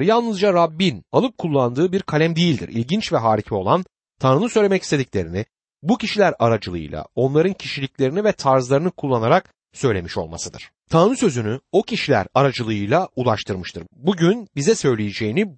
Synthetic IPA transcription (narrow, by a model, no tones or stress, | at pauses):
jalˠnɯzd͡ʒaɾabːinalˠɯp̚kʰulˠːand̪ɯːbiɾkʰalʲæmd̪ejilʲd̪ḭɾʔḭlʲɟint͡ʃvɛɦaːɾicʰio̞lˠan | t̪ʰanɾɯnɯsø̞jlʲemɛcist̪ʰe̞d̪iclʲe̞ɾini | bucʰiʃilʲæɾaɾad͡ʒɯlˠɯ̰jlˠa̰o̞nlˠaɾɯncʰiʃilʲiclʲe̞ɾinivɛt̪ʰaɾzlˠaɾɯnɯkʰulˠːanaɾak̚ | sø̞jlʲe̞miʃo̞̰lˠma̰sɯd̪ɯ̰ɾ̥ | t̪ʰanɾɯsø̞zynyo̞cʰiʃilʲæ̰ɾaɾad͡ʒɯlˠɯɯjlˠaulˠaʃt̪ʰɯɾmɯʃt̪ʰɯɾbuɟynbizɛsø̞jlʲejed͡ʒejini